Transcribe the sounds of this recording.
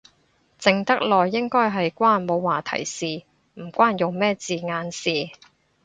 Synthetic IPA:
t͡sɪ˨ŋt̪ɐ˥k̚lɔː˨jːɪ˥ŋkɔː˥jɦɐ˨jkʷaː˥˩nmo˨˧wwaː˨˩t̪ʰɐ̰˨˩jsiː˨ | m̩˨˩kʷwaː˥njʊ˨ŋmɛː˥t͡siː˨ŋaː˧nsiː˨

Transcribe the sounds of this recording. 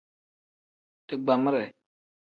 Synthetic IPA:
tɨ˨ɡ͡ba˨mɪ˦ɾɛ˨

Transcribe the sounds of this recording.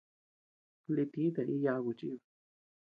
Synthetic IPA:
li˧t̪i˦t̪a˨i˦ja˧ɣu˨t͡ʃi˦˧

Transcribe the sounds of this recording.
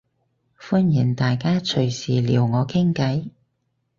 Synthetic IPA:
fu˥njiː˨˩nt̪aː˨jkaː˥t͡ʃʰɵ˨˩ɥsiː˨lḭː˨˩wŋɔː˨˧˥kʰɪ˥ŋkɐ˨˥j

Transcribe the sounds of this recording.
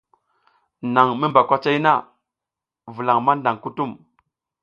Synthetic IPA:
na˨ŋmi˦mba˨kʷa˦t͡ʃa˦i˦na˦˨ | vu˨la˨ŋma˦nda˨ŋku˦tu˦˨m

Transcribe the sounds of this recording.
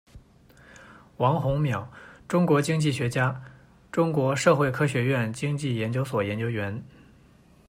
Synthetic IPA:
wɑ˧˥ŋxʊ˧˥ŋmjɑ˨˩˦ʊʈ͡ʂʊ˥ŋkwɔ˧˥t͡ɕi˥ŋt͡ɕi˥˩ɕɥɛ˧˥t͡ɕja˥ | ʈ͡ʂʊ˥ŋkwɔ˧˥ʂɤ˥˧xwe˥˩ɪkʰɤ˥ɕɥɛ˧˥ɥɛ˥˩nt͡ɕi˥ŋt͡ɕi˥˩jɛ˧˥nt͡ɕjo˥ʊswɔ˨˩jɛ˧˥nt͡ɕjo˥ʊɥɛ˧˥n

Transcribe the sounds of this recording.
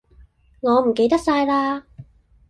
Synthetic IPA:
ŋɔː˨˧m̩˨˩ke˧jt̪ɐ˥k̚saː˧jlaː˧

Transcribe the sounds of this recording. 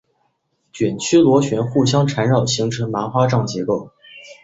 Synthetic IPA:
t͡ɕɥɛ˨˩nt͡ɕʰy˥lwɔ˧˥ɕɥɛ˧˥nxu˥˩ɕjɑ˥ŋʈ͡ʂʰa˧˥nɻɑ˥˩ʊɕi˧˥ŋʈ͡ʂʰɤ˧˥ŋma˧˥xwa˥ʈ͡ʂɑ˥˩ŋt͡ɕjɛ˧˥ko˥˩ʊ

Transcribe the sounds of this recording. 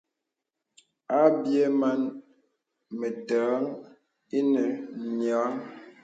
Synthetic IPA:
a˦bje˦ma˦n | me˨təː˨˦ŋ | i˦nə˨nja˨˦ŋ

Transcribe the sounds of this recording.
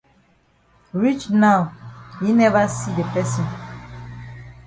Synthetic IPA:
ɹi˦t͡ʃnawji˨nɛ˦va˦si˦de˨pɛ˦sĩ˨n

